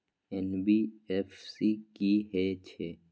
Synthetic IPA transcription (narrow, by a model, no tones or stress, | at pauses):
ɛnbiɛfsikiɦɛt͡ʃʰe